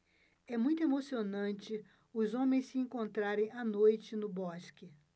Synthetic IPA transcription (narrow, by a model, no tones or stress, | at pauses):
ɛmũj̃t̪ʊemosionɐ̃t͡ʃɪ | ʊzõmẽj̃ssɪẽkõnt̪ɾaɾẽj̃anojt͡ʃɪnʊbɔskɪ